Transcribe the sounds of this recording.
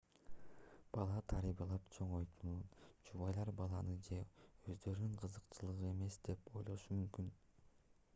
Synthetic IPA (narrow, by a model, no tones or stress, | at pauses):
b̥ɑlˠɑt̪ʰɑɾibɑlˠɑpt͡ʃʰo̞ɴo̞jt̪ununt͡ʃʰuβɑjlˠɑɾbɑlˠɑnɯd͡ʒe̞ø̞zd̪ø̞ɾynyŋqʰɯzɯqt͡ʃɯlˠɯʁɯe̞me̞sd̪e̞po̞̰jlˠo̞ʃumymkyn